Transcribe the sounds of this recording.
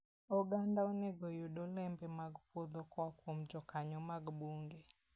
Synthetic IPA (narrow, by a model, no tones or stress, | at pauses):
ɔɡandaɔnɛɡɔjoɗɔlɛmbɛmaɡpod̪ɔkwakwomd͡ʒɔkaɲɔmaɡbuŋɡe